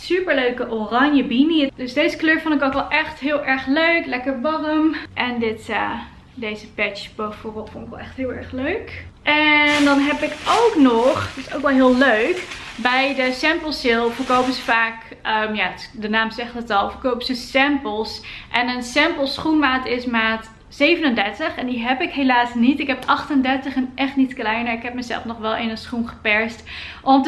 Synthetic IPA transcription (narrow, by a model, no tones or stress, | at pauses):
sypəɹløɥkəʔorɑɲjəbinidøsdejzəkløːɹfʊndɪkokʋɛlˠʔɛχtɦɪːlˠʔɛɹχløɥklɛkəɹbɑrəmʔɛndɪtə | dejzəpɛt͡ʃbɛjfʊːɹbɛlˠfʊndɪkʋɛ̰lˠɛχtɦɪːlˠɛ̰ɹχløɥkʔɛndɑnɦɛpɪkowknɔχɪso̰wkʋɛlˠɦɪːlˠløɥk | bɛjdəsɛmpəl̩ˠsɪlˠfəɹkowpəsəfaːk | əmjaːdənaːmzɛχtətɑlˠfəɹkowpəsəsɛmpəlˠsʔɛnənsɛmpəlˠsχunmaːtɪsmaːt | sejvənəndɛɹtəχɛndiɦɛpɪkɦelaːsnitɪkɦɛpɑχtəndɛɹtəχɛnʔɛχtnitklɛjnəɹɪkɦɛp̚məzɛ̰lˠfnɔχʋɛlˠɪnənsχunχə̥pɛɹstʔɔm